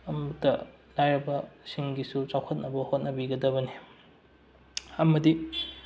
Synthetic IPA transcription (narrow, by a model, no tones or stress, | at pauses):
ɐmɐtɐ | lajɾɐbɐsiŋɡisut͡ʃawkʰɐt̚nɐbɐhot̚nɐbiɡɐdɐβɐni | ɐmɐdi